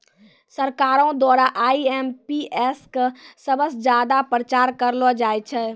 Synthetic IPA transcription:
səɾkaːɾõd̪waːɾaʔaːiɛːmpiɛskəsəbəsd͡ʒjaːd̪apɾət͡ʃaːɾkəɾlɔd͡ʒaːjt͡ʃʰɛː

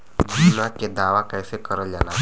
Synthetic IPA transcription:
d̪ʱʊsnãked̪aːʋakɛːsekəɾəld͡ʒaːlaː

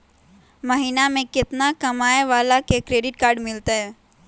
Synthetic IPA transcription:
mɐɦiːnamẽkɪt̪nakɐmaːeʋaːlakekɾeːɖɪʈkaːɾɖmɪlt̪aɦɛː

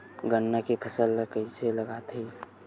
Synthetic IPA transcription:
ɡənːakepʰəsəlkəiseləɡat̪ʰi

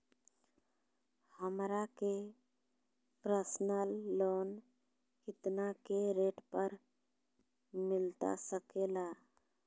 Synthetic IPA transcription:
həmɾake | pɾəsnəlːon | kɪt̪nakeɾeʈpəɾ | mɪlt̪a̰səkela

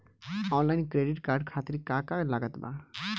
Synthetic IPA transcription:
ɔːnlaɪnkɾeɖiʈkaːɾɖkʰaːt̪iɾikakalaɡət̪ba̰

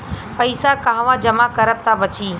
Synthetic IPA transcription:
pɐɪsakãɦʋãːd͡ʒɐmakɐɾəb̚t̪ʰabɐt͡ʃiː

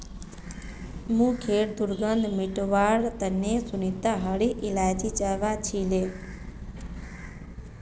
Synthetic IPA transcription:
mũːkʰeːɽd̪ʊɾɡənd̪ʱmɪʈʋaːɽt̪ənesʊnit̪aɦəɽiʔɪlaːd͡ʒit͡ʃəʋat͡ʃʰileː

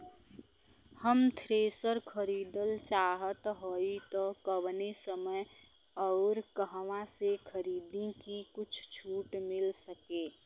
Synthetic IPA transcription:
həmt̪ʰɾeːsəɾkʰəɾiːd̪əlt͡ʃaːɦət̪ɦoit̪ɔkəwnesəməj | ɔʊɾkəɦʋãsekʰəɾiːd̪ikikʊt͡ʃʰt͡ʃʰuːʈmɪlsəkeː

